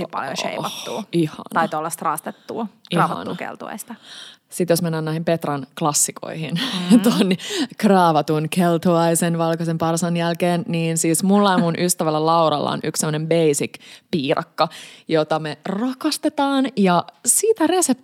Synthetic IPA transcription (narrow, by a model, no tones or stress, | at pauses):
sipɑ̰ljo̰ʃḛiʋɑt̪ːṵːihɑ̰nt̪ɑit̪ːolːɑst̪rɑːst̪et̪ːṵːiɑːʋɑtɑ̰nṵkḛlt̪ṵɑ̰ist̪ɑ | sit̪josmenːæːnnæːhimpet̪rɑnklɑsːikʰo̰ihḭnt̪onkrɑːʋɑt̪unkelt̪uɑisenʋɑlkɑsempɑrsɑnjælkeːnniːnsiːsmulːɑimunʔyst̪æʋælːælɑwrɑ̰lːɑ̰o̰nykssemːənembeisikpiːrʔɑ̰kːɑjot̪ɑmerɑkɑst̪et̪ɑːnjɑsiːt̪æreset̪